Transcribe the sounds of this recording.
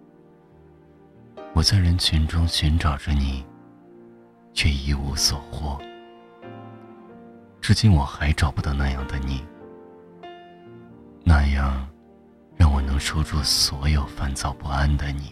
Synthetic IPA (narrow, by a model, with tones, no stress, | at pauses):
wɔ˨˩t͡sa˥˩ɪɻə˧˥nt͡ɕʰy˧˥nʈ͡ʂʊ˥ŋɕy˧˥nʈ͡ʂɑ˨˩ʊʈ͡ʂə˦ni˨˩˦ | t͡ɕʰɥɛ˥˩i˥u˧˥swɔ˨˩xwɔ˥ | ʈ͡ʂɻ̩˥˧t͡ɕi˥nwɔ˨˩xa˧˥ɪʈ͡ʂɑ˨˩ʊpu˥˩t̪ɑ˥˩ʊna˥˧jɑ˥˩ŋd̪ə˧ni˨˩ | na˥˧jɑ˥˩ŋ | ɻɑ˥˩ŋwɔ˨˩nɤ˧˥ŋʂo˥ʊʈ͡ʂu˥˩swɔ˧˥jo˨˩ʊfa˥˩nt͡sɑ˨˩ʊpu˥˩a˥nd̪ə˨˩ni˨˩˦